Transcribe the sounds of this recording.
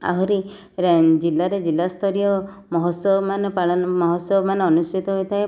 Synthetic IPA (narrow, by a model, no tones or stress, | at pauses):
a̰ɦuɾi | ɾed͡ʒilːaɾed͡ʒilːast̪ʰɔɾijɔ | mɔɦɔt̪sɔbɔmanepaɭɔnmɔɦɔt̪sɔbɔmaneɔnust͡ʃʰit̪ɔɦojt̪ʰaj